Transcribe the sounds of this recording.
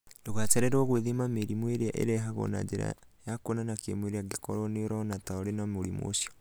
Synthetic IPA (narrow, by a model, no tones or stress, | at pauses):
ndoɣat͡ʃɛɾɛɾɔɣweðemameɾimweɾea̰ʔḛɾɛɦaɣɔ̰na̰d͡ʒeɾa̰jakonanakemweɾeaɡekɔɾɔneoɾɔnataoɾenamoɾimo̰sjɔ